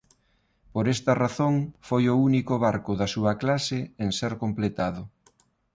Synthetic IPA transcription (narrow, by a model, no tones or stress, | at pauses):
poɾest̪ɐraθoŋfojʊunikʊβaɾkʊðɐsuɐklasɪeŋseɾkomplet̪aðʊ